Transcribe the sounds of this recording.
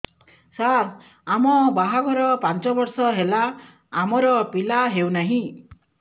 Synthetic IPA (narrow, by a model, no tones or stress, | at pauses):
saɾ | amɔbaɦaɡʱɔɾɔpant͡ʃɔbɔɾsɔɦela | amɔɾɔpilaɦewnaɦĩ